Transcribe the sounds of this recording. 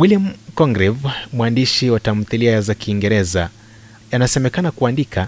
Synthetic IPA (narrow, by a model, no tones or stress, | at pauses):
wiliamkɔŋɡɾɛvmwandiʃiwatam̩θiliajazakiːŋɡɛɾɛza̰ | anasɛmɛkanakuandikʰa